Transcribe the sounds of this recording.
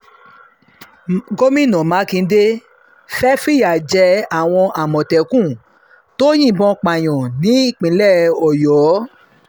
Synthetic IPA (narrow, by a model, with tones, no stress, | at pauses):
ɡo˦mĩ˦˨nɔ̃˨mã˨˦kĩ˧˦de˦ | fɛ˦fi˦ja˨d͡ʒɛ˧˦a˦˨w̃ɔ̃˧ʔa˨mɔ̃˨tɛ˨kũ˦˨ | to˦j̃ĩ˦˨bɔ̃˧k͡pa˨j̃ɔ̃˨nĩ˨˦i˦˨k͡pĩ˨˧˦lɛ˦˨ɔ˨jɔ˨˦